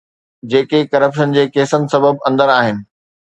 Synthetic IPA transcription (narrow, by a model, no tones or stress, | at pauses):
d͡ʑeːkekɐɾəpʃənd͡ʑeːkeːsənɪ̆sɐbəbɐ̃nd̪əɾaːɦɪnɪ̆